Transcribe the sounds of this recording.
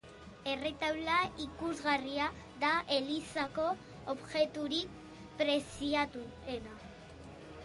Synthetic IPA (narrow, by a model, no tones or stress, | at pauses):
e̞re̞t̪awlaikuzɣaria | ðaʔe̞lisako̞ː | βʝe̞t̪uɾik | pɾe̞siat̪u | ena